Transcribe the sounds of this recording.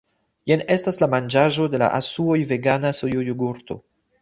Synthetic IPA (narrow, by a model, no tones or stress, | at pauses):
jene̞staslamand͡ʒaʒo̞de̞la̰ʔasuo̞jve̞ɡanasojojuɡuɾto̞̰